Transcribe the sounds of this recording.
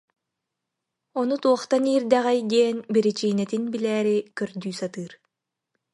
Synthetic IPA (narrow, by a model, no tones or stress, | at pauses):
ɔnut̪uɔχt̪aniːɾd̪ɛʁɛjd̪iɛnbiɾit͡ʃiːnɛt̪inbilɛːɾikœɾd̪yːsat̪ɯːɾ